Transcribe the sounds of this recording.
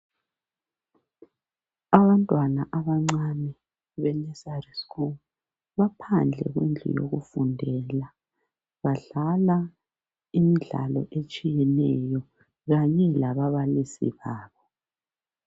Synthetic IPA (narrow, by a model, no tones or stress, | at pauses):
aβantʼwanaʔaβaŋ͡ǀanɛ | βɛnɛsarisku | βapʰand͡ɮʱɛ̰ɣwind͡ɮʱṵjo̰ɣufundʱɛla | βaɮala | imiɮa̰lɔʔet͡ʃʼijɛnɛjɔ | ɣaɲɛlaβaβalisḭβaːβɔ